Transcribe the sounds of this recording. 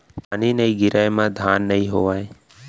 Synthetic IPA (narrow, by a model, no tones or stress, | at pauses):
paːninəiɡɪɾaːjmãd̪ʱaːnːəɦĩɦoʋaj